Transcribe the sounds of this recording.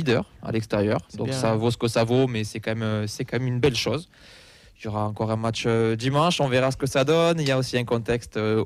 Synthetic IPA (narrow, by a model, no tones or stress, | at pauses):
id̪œʁa̰lɛkst̪eʁjœʁd̪ɔ̃ksavosə̥kəsavomɛsɛkɑ̃mɛmsɛkɑ̃mɛmynbɛlʃoz | jɔʁaɑ̃kɔʁɛ̃matt͡ʃød̪imɑ̃ʃɔ̃veʁasə̥kəsad̪ɔniljaosiɛ̃kɔ̃t̪ɛkst̪ø